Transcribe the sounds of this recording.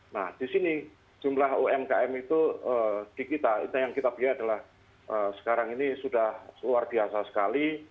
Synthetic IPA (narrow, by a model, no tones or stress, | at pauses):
nahd̥isini̥ | d͡ʒ̥umlaɦoɛmkaɛmit̪uəːd̥ikit̪aḭt̪ajaŋkit̪ab̥iaadalah | ʔəːsə̥kaɾaŋinisudahluarb̥iasasə̥kali